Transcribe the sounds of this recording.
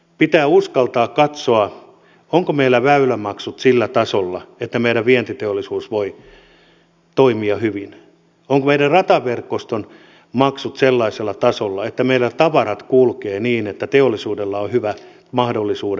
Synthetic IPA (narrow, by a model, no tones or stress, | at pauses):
pit̪æːuskɑlt̪ɑːkkɑt̪soɑ | oŋkomeilːæʋæylæmɑksut̪silːæt̪ɑsolːɑet̪ːæmeiɾæʋʋient̪it̪eolːˑisuːsʋoi | t̪oimiɑhyʋin | oŋkomeiɾærrɑt̪ɑʋerkːost̪on | mɑksut̪selːɑiselːɑt̪ɑsolːɑet̪ːæmeilːæt̪ɑʋɑɾɑt̪kulkeːniːnet̪ːæt̪eolːisuːdelːɑohyʋæ | mɑhdolːisuː